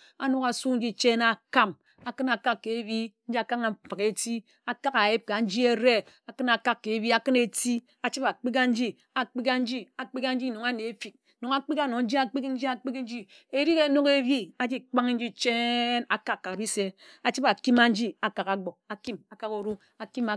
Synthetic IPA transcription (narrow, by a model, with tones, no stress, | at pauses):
a̰˨no˦ka˨su˦n̩˦d͡ʒi˦t͡ʃe˦na˨ka˦m | a˨kɨ˦na˨ka˦kːe˨˦bi˦n̩˦d͡ʒi˦a˦ka˦ŋa˨fa˨ke˨ti˦ | a˨ka˦ka˨ji˦p̚ka˨n̩˦d͡ʒi˦e˦ɾe˦ | a˨kɨ˦na˨ka˦kːe˨˦bi˦a˨kɨ˦ne˨ti˦ | a˨t͡ʃi˦pa˨k͡pi˦ka˦n̩˦d͡ʒi˦ | a˨k͡pi˦ka˦n̩˦d͡ʒi˦a˨k͡pi˦ka˦n̩˦d͡ʒi˦no˨ŋa˦ne˨e˦fi˨k̚no˨ŋa˦k͡pi˦ka˦˨no˨n̩˦d͡ʒi˦a˦k͡pi˦kn̩˦d͡ʒi˦a˦k͡pi˦kn̩˦d͡ʒi˦ | e˦ɾi˦ke˨˦no˦ke˦bi˦a˨d͡ʒi˦k͡pa˦ŋ˦n̩˦d͡ʒi˦t͡ʃe˦na˨ka˦kːa˨bi˦se˦a˨t͡ʃi˦ba˨ki˦ma˦n̩˦d͡ʒi˦a˨ka˨ka˨ɡ͡bo˨a˨ki˦ma˨ka˦ko˨ɾu˦ | a˨ki˦ma˨